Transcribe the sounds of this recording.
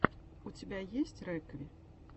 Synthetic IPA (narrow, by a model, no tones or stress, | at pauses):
ut͡sʲabʲajesʲt͡sʲrɛkvʲi